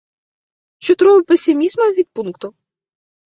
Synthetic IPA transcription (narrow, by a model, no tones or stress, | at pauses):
t͡ʃɔt̪ɾɔɦɔpesʲɪmʲizmɐʋʲid̪̚punkt̪ʊ